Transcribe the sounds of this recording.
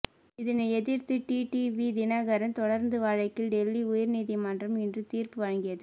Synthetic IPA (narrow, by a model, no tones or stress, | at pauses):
ɪðɪnɐɛðɪɾt̪ɯʈiːʈiʋid̪ɪnɐɣɐɾɐnt̪ɔɽɐɾnd̪ɯʋaːɻɐɪkːɪlɖɛlːiʊjɐɾniːðimɐndrɐmɪndrɯt̪iːɾpɯʋɐɻɐŋɡɪjɐðɯ